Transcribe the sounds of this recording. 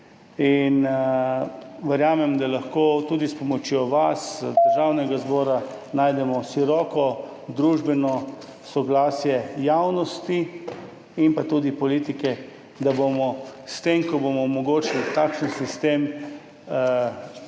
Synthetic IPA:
in | ʋəɾjaːmɛmd̪alaxkoːt̪ud̪ispɔmɔt͡ʃjoʋasd̪əɾʒawnɛɡazbɔːɾa | naːjd̪ɛmɔʃiɾɔːkɔ | d̪ɾuːʒbɛnɔ | sɔɡlaːsjɛjawnɔst̪i | impat̪uːd̪ipɔliːt̪ikɛ | d̪abomɔst̪emkɔbomɔmɔɡoːt͡ʃilt̪aːkʃənsist̪em

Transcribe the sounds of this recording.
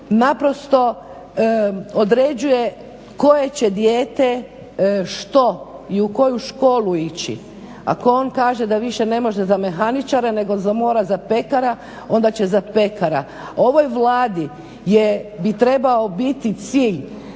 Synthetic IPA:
napɾo̞st̪o̞ | od̪ɾe̞d͡ʑuje̞ | ko̞je̞t͡ɕe̞d̪jeːt̪e | ʃt̪o̞iuko̞juʃko̞ːluit͡ɕḭ | a̰ko̞o̞nkaːʒed̪aʋiʃe̞ne̞mo̞ʒezame̞xanit͡ʃaɾene̞ɡo̞zamo̞ːɾazape̞kaɾa | o̞nd̪at͡ɕezape̞kaɾa̰ | o̞ʋo̞jʋlˠaːd̪i | jebit̪ɾe̞baobit̪it̪siːʎ

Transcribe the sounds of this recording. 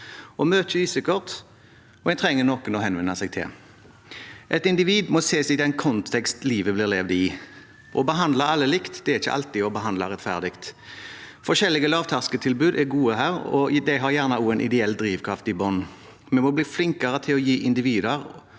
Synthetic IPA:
ʔɔmøːt̪ɪsɪkɔʁt̪ | ɔɛnt̪ʰʁɛŋːənɔkːənɔɦɛnʋɛnːɑsɛɡ̚t̪ʰɪ̰l | ʔɛt̪ɪnd̪ɪʋiːd̪mɔseːsɪd̪ɛnkʰɔnt̪ʰɛkst̪liːʋəblɪʁleːʋd̪ɪ | ʔɔbəɦɑnd̪lɑɑlːəlɪkt̪d̪ɛæɾɪçə̰ʔɑ̰lt̪ɪɔbəɦɑnd̪lɑʁɛt̪fæ̰ʁd̪ɪkt̪ | fɔʃɛlːɪɡəlɑːʋt̪ʰɑʁskət̪ʰɪlbʉːd̪ɛɡuːəɦæːɾɔ̰d̪æɪɦɑʁjæːʁnɑuːənʔɪ̰d̪ɛɛld̪ɾiːʋkʰʁɑft̪ɪbɔn | mɛmɔbliːflɪŋkɑʁət̪ʰɪlɔjiːʔɪnd̪ɪʋiːd̪əʁ

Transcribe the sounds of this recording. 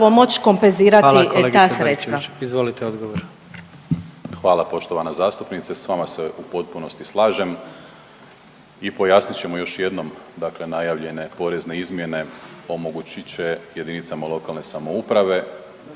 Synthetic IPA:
ʋomo̞t͡ɕko̞mpenziːɾataleɡt̪aːsɾaet̪sʋaizʋolit̪eod̪ɡoʋoɾ | xʋaːlapo̞ʃt̪oʋanazaːst̪upnit̪sesʋamaseʔupo̞t̪̚puno̞st̪islˠaːʒe̞m | ipo̞jaːsnit̪t͡ɕe̞mojo̞ʃje̞d̪no̞md̪akle̞najaʋʎe̞ne̞po̞ɾe̞zne̞izmje̞ne̞o̞mo̞ɡut͡ɕit͡ɕe̞je̞d̪init̪samalˠo̞kalne̞samo̞upɾaʋe̞

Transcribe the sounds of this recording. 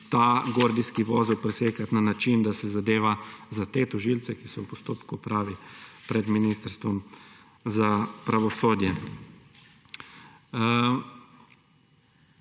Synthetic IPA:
t̪aːɡoːɾd̪iskiʋɔːzɛwpɾɛseːkat̪nanat͡ʃind̪asɛzad̪eːʋazat̪eːt̪ɔʒilt̪sɛkisɔwpɔst̪oːpkupɾaːʋipɾɛd̪minist̪əɾst̪ʋɔm | zapɾaʋɔsoːd̪jɛ

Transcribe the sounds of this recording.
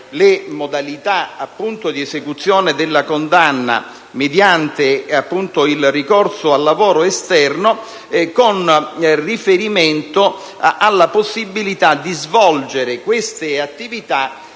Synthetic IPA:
lemod̪alit̪aapːunt̪od̪iesekut̪sːjoːnɪd̪elːakond̪anːa̰ | med̪jant̪eapːunt̪oilrikɔrsʊalːavɔːɾoest̪ɛrno | konrifeɾiment̪o | alːaposːibːilit̪ad̪izvɔld͡ʒeɾɪkwest̪ɪat̪ːivit̪a

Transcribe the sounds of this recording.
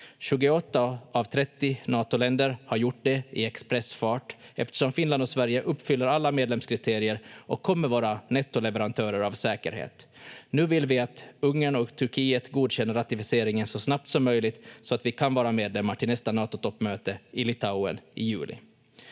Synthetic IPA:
ɕʉ̟ːɡʊɔt̪ːaavt̪ʰɾɛt̪ːɪnɑːt̪ʊlɛnd̪əɾhaɾjʊʈ̚ːɖ̪ɛɪɛkspɾɛsfɑːʈɛft̪ə̥ʂɔmfɪnland̪ɔsvæɾjəʔɵpːfʏlːəɾalːameːd̪lɛmskʰɾɪt̪ʰeːɾɪəɾʔɔkʰːɔmːəɾvɑːɾanɛt̪ːʊlɛvɛɾant̪ʰœːɾəɾavsɛːkəɾhḛːt̪nʉ̟ːvɪlvɪat̪ɵŋːəɳɔkt̪ʰɵɾkʰiːət̪ɡuːd̪ɕɛnːəɾat̪ɪfɪseːɾɪŋənsɔsnap̚t̪sɔmːœjlɪɡt̪sɔat̪vɪkʰanvɑːɾameːd̪lɛmːaʈʰɪlnɛst̪anɑːt̪ʊt̪ʰɔpːmøːt̪əɪlɪt̪ʰaʊə̰nɪjʉ̟̰ːlɪ̰

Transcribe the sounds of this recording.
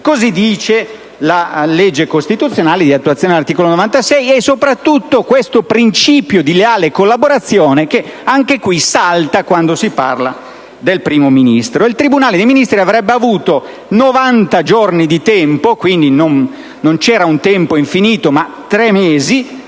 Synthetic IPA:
kozid̪iːt͡ʃe | laled͡ʒːekost̪it̪ut̪sjonaːled̪iat̪ːuat̪sjonelart̪iːkolonovant̪asɛjɛsːopɾat̪ːut̪ːokwest̪opɾint͡ʃiːpjod̪ileaːlekolːaboɾat̪sːjoːnek̟eaŋkekwisalt̪akwand̪osipa̰rla | d̪elpɾiːmominist̪ɾoilt̪ɾibunaːled̪ejminist̪ɾiavɾɛbːeavuːt̪o | novant̪ad͡ʒornid̪it̪ɛmpokwind̪inonː | ont͡ʃɛːɾaunt̪ɛmpoiɱfiniːt̪omat̪ɾɛmːeːzi

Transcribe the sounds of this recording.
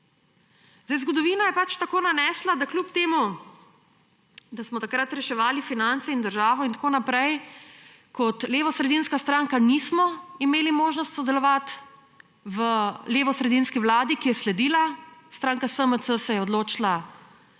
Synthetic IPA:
zd̪ajzɡɔd̪ɔʋiːnajɛpat͡ʃt̪akoːnanɛːslad̪aklupt̪eːmu | d̪asmɔt̪akɾat̪ɾɛʃɛʋaːlifinant̪sɛind̪əɾʒaːʋɔint̪ḁkoːnapɾɛj | kɔt̪leːʋɔsɾɛd̪inskast̪ɾaŋkanismɔimeːlimoːʒnɔst̪sɔd̪ɛlɔʋat̪ | ʋəleːʋɔsɾɛd̪inskiʋlaːd̪ikijɛslɛd̪iːlast̪ɾaːŋkasəməsəsɛjɛɔd̪loːt͡ʃla

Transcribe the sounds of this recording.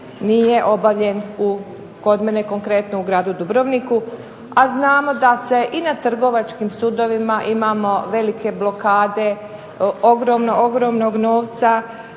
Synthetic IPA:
nijeʔo̞baʋʎe̞nu | ko̞d̪meneko̞ŋkɾe̞t̪nouɡɾaːd̪ud̪ubɾoʋniku | aznaːmo̞d̪ase̞ʔinat̪r̩ɡo̞ʋat͡ʃkimsud̪o̞ʋimaʔimaːmo̞ʋe̞like̞blo̞kaːd̪e̞ | o̞ɡɾo̞ːmnooɡɾo̞mnoɡno̞ːʋt̪sa

